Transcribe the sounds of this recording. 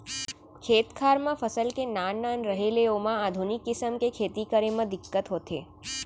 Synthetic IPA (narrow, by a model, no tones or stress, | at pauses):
kʰeːt̪kʰaːɾmãfʰəsəlkenaːnːaːnɾəɦeleoːmãaːd̪ʱunɪkːɪsəmkekʰeːt̪ikəɾemə̃d̪ɪkːət̪ɦoːt̪ḛː